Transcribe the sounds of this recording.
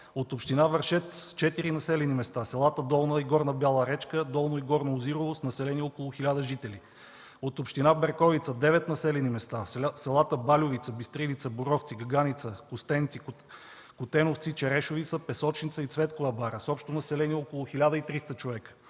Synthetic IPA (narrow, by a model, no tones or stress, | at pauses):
ot̪opʃt̪inavəɾʃɛt̪st͡ʃɛt̪iɾinɐsɛlɛnimɛst̪asɛlˠat̪əd̪ɔlˠnəiɡɔɾnəbjalˠəɾɛt͡ʃkəd̪ɔlˠnoiɡɔɾnɐoziɾovosnɐsɛlɛniɔkolˠʊxilʲad̪əʒit̪ɛli | ot̪opʃt̪inabɛɾkɔvit̪səd̪ɛvɛt̪nɐsɛlɛnimɛst̪asɛlˠat̪əbalʲʊvit̪səbist̪ɾilit̪səboɾɔft̪siɡɐɡanit̪səkʊst̪ɛnt̪sik | kʊt̪ɛnoft̪sit͡ʃɛɾɛʃʊvit̪səpɛsɔt͡ʃnit̪səit̪svɛt̪kʊvəbaɾəsɔpʃt̪onɐsɛlɛniɔkolˠʊxilʲad̪əit̪ɾist̪ət͡ʃovɛkə̥